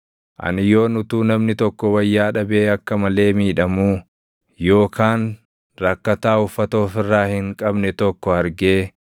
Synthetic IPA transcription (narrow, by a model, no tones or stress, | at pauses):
ʔɐ̰nɪjo̞ːnʊt̪uːnɐmnɪt̪ɔkːɔwɐjːaːᶑɐbe̞ːɐkːɐmɐle̞ːmiːᶑɐmuː | jo̞ːkʰaːn | ɾɐkːɐt̪aːʊfːɐt̪o̞ːfɪrːaːhɪŋkʼɐbnɛt̪ɔkːɔɐɾɡeː